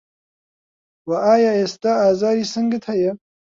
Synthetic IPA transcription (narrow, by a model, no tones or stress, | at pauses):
waʔaːjaːeːst̪aːaːzaːɾiːsɨŋɡɨt̪hɐjɛ